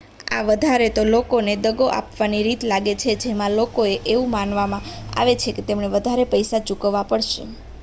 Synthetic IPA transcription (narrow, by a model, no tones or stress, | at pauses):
a̰ʋəd̪ʱaɾet̪olokoned̪əɡoʔa̰pʋaniɾit̪laɡet͡ʃʰed͡ʒemãlokoeʔeʋũmanʋamãa̰ʋet͡ʃʰeket̪emɳeʋəd̪ʱaɾepəjsat͡ʃukəʋːapəɽʃḛ